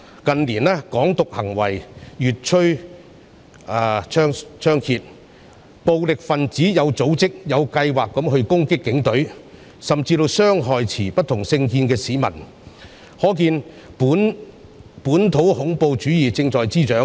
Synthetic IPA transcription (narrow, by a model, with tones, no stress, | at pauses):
kɐ˨nliː˨˩nlɛː˥kɔː˨˥ŋt̪ʊ˨k̚hɐ˨˩ŋwɐ̰˨˩jjyː˨t̚t͡ʃʰɵ˥ɥ | aː˧t͡ʃʰœː˥ŋt͡ʃʰœː˥ŋkʰiː˧t̚ | po˨˧wlɪ˨k̚fɐ˨nt͡siː˨˥jɐ˨˧wt͡so˨˥wt͡sɪ˥k̚jɐ˨˧wkɐ˧jwaː˨kːɐ˨˥mɦɵ˧ɥkʊ˥ŋkɪ˥kːɪ˨˥ŋt̪ɵ˨˥ɥ | sɐ˨mt͡siː˧t̪o˧wsœː˥ŋɦɔː˨jt͡sʰiː˨˩pɐ˥t̚t̪ʰʊ˨˩ŋsɪ˧ŋkiː˧nkɛː˧siː˨˥mɐ̰˨˩n | hɔː˨˥k̬iː˧n | puː˨˥n | puː˨˥nt̪ʰo˨˥whʊ˨˥ŋpo˧wt͡ʃyː˨˥jiː˨˩t͡sɪ˧ŋt͡ʃɔː˨jt͡siː˥t͡ʃœː˨˥ŋ